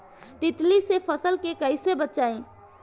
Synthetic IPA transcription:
t̪it̪lisepʰəsəlkekəɪsebətːʃaẽ

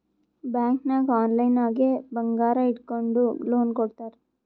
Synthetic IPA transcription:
bjaːŋknɐɡaːnlɐjnaːɡebɐŋɡaːɾɐiʈkoɳɖuloːnkɔɽt̪aːɾe

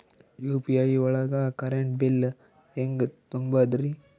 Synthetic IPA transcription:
juːpiɐjʋɐɭɐɡaːkɐɾeɳʈbil | eŋɡɐt̪umbad̪ɾi

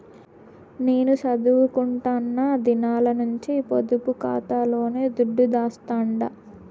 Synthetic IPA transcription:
ne̞ːnut͡ʃɐd̪uʋukuɳʈaːnːaːd̪inaːlɐnuɲt͡ʃipod̪upukaːt̪aːlo̞ːne̞ːd̪uɖːud̪aːst̪aːɳɖɐ

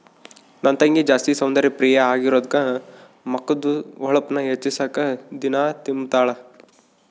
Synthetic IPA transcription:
nɐnt̪ɐŋɡed͡ʒaːst̪isɐwnd̪ɐɾipɾiːjɐaːɡiɾoːd̪kɐ | mɐkːɐd̪uɔɭɐpnɐɦet͡ʃːisaːkɐd̪inaːt̪imt̪aːɭɐ

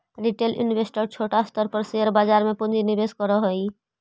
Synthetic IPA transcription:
ɾiʈelʔɪ̰nʋesʈəɾt͡ʃʰoːʈast̪əɾpəɾseəɾbaːd͡ʒaːɾmẽpʊnd͡ʒinibeːskəɾəɦoi

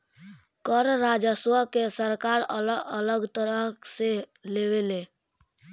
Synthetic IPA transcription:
kəɾɾaːd͡ʒəswəkesəɾkaːɾələələɡt̪əɾəɦseleweleː

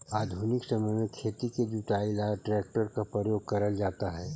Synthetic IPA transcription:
aːd̪ʱuːnɪksɐməjmẽkʰeːt̪iked͡ʒ̪uʈaːilaʈɾɛːk̚ʈəɾkapɾəjoːɡ̚kɐɾəld͡ʒaːt̪aɦɛː

